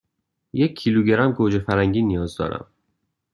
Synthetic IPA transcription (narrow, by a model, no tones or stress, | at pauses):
jecʰːiːluːɟeɾæmɡoːd͡ʒefæɾhæŋɟiːnijɒːzd̪ɒ̰ːɾæ̰m